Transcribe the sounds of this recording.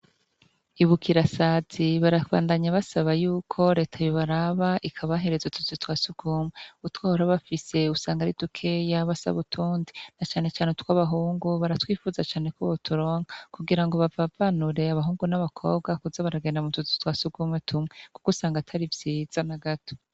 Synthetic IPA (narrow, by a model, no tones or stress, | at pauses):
iβukʰiɾasat͡siβaɾaβa̰ːndaɲaβasaβajuːkʰo̞ɾeːtʰajoβaɾaβaʔikʰaβaɦe̞ɾe̞zatʰuzitwaːsuɡ̥umweutwahoɾaβafise̞usaːŋɡaɾidukʰe̞jaβasa̰βutʰuːndinat͡ʃaːne̞t͡ʃaːnetu̥kwaβaɦuːŋɡuβaɾatwiːfuːzat͡ʃaːne̞koβotʰuɾo̞ːŋɡakuɡiɾaŋɡo̞βavavanuɾe̞aβaɦuːŋɡunaβakʰo̞̰β̚ɡakuzaβaɾaɡeːndamutuzi̥twaːsuɡuːmwetʰumŋwe̞ku̥kosaːŋɡatʰaɾivjiːz̥anaɡatʰo̥